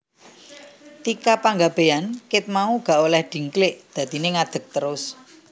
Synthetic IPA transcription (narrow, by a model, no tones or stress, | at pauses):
t̪ikapaŋɡab̥e̤ankɪt̪̚mauɡ̥a̤ʔolɛhd̪̥i̤ŋklɪʔd̪̥ä̤t̪ineŋad̪̥ə̤k̚t̪əɾʊs